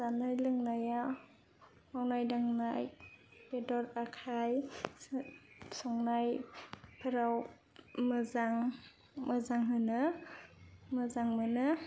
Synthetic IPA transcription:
zanajlɯŋnaja | mawnajdaŋnajbedɔɾakʰaj | sɔŋnajpʰɯɾaw | mɯzaŋ | mɯzaŋɦɯnɯ | mɯzaŋmɯnɯ

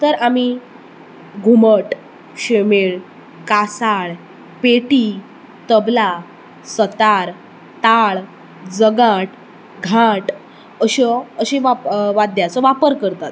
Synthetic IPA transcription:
t̪əɾami | ɡʱuməʈ | ɕemeɭ | kasaɭ | peʈi | t̪əbla | sət̪aɾ | t̪aɭ | d͡zəɡaʈ | ɡʱãʈ | əɕɔəɕeʋaʋad̪jat͡sɔʋapəɾkəɾt̪at̪

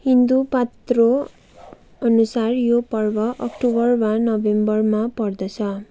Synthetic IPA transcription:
hind̪upat̪ro | ʌnusarjopʌrbʌʔʌkʈobʌrmanʌbembʌrmapʌrd̪ʌt͡sʰʌ

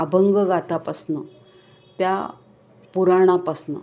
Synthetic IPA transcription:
abʱəŋɡəɡat̪apasnə | t̪ja | puɾaɽ̃apasnə̰

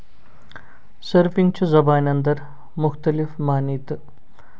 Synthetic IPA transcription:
səɾpiŋɡt͡ʃʰuzɐbaːnɐnd̪ɐɾ | mʊxt̪ɐlifmaːnit̪

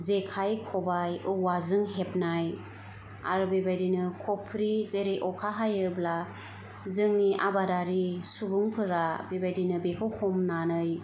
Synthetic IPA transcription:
zekʰajkʰɔbajɯwazɯŋɦep̚naj | a̰ɾɯbebajdinɯkʰɔpʰɾizeɾeʔɔkʰaɦajɯbla | zɯŋniʔabadaɾisubuŋpʰɯɾabebajdinɯbekʰɯwhɔmnanɯj

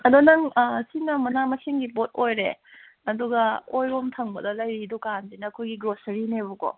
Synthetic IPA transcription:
ɐdonɐŋsinɐmɐnamɐseŋɡibot̚ojɾḛ | ɐduɡɐojɾomtʰɐŋbɐdɐlɐjɾidukandinɐːkʰojɡiɡɾosɐɾinebuko̰

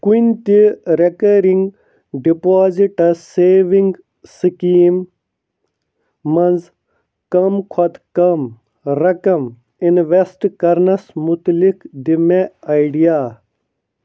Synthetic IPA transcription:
kunʲt̪iɾekɐɾiŋɡ | ɖipaːziʈɐseːʋiŋɡ | sikiːm | ɐnz | kɐmkʰɐt̪kɐm | ɾɐkɐm | inʋesʈkɐɾnɐsmut̪likd̪imeɐjɖijaː

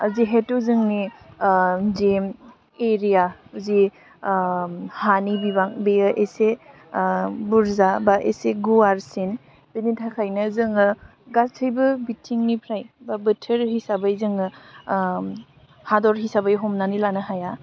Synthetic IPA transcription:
ziɦetuzɯŋni | zem | eɾijazi | hanibibaŋbeəʔese | buɾzabaʔḛseɡuaɾsin | benitʰakʰajnɯzɯŋɯ | ɡatʰɯjbɯbitʰiŋnipʰɾajbabɯtʰəɾhisabajzɯŋɯ | hadɔɾɦisabajɦɔmnanilanɯɦaja

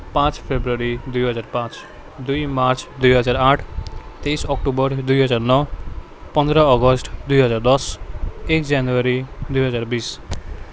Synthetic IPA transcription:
pãt͡ʃpʰebɾuɔɾid̪ujɦʌd͡ʒaɾpãt͡ʃ | d̪ujmaɾt͡ʃd̪ujɦʌd͡ʒaɾaʈʰt̪ejsɔkʈobʌɾd̪ujɦʌd͡ʒaɾnɔ | pɔnd̪ɾɔɔɡɔsʈd̪ujɦʌd͡ʒaɾd̪ɔsekd͡ʒanuaɾid̪ujɦʌd͡zaɾbis

